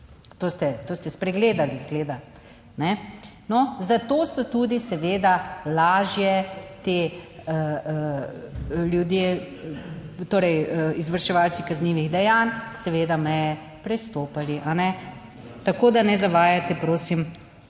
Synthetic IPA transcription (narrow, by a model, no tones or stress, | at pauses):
t̪oːst̪ɛt̪oːst̪ɛspɾɛɡleːd̪alizɡleːd̪a | nɛ | nɔzat̪oːsɔt̪ud̪isɛʋeːd̪alaːʒjɛt̪eə | ljud̪je | t̪oːɾɛjəizʋəɾʃɛʋalt̪sikazniːʋiɣd̪ɛjansɛʋeːd̪amɛjɛ | pɾɛst̪oːpaliʔanɛ | t̪akoːd̪anɛzaʋaːjat̪ɛpɾoːsim